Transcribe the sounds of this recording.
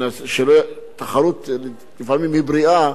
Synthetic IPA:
nasʃelot̪ːaχaɾut̪l | lifaʕmimibɾia

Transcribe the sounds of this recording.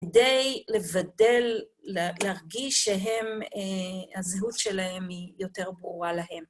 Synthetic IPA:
kdejle̞vade̞lleaʁɡiʃːeɦem | azeɦutʃe̞lahe̞mijo̞te̞ʁbʁuʁalaɦe̞m

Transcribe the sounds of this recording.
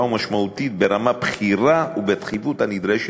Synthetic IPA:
umaʃmaut̪it̚be̞ɾamapχiʁaubet̪χivuthanid̪ʁeʃ

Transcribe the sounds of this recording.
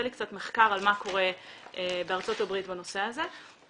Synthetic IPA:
elikt͡sat̪meχkaʁalmako̞ʁe̞ebeaʁt͡so̞tabʁitbano̞se̞aze

